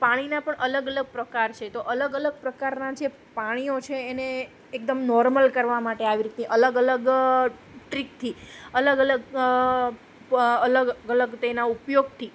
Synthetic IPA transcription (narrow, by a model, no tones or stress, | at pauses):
paɽ̃inapəɳʔələɡələɡ̚pɾəkaɾt͡ʃʰet̪oʔələɡələɡ̚pɾəkaɾnad͡ʒe | paɽ̃iot͡ʃʰeːne | ek̚d̪əmnɔɾməlkəɾʋamaʈeaʋiɾit̪neʔələɡələɡ | ʈɾik̚t̪ʰiələɡələɡ | ələɡələɡt̪ənaupjoɡ̚t̪ʰi